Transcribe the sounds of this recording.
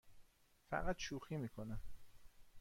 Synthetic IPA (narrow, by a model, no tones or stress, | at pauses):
fæ̰ɢæt̪ʃuːxiːmiːkʰonæm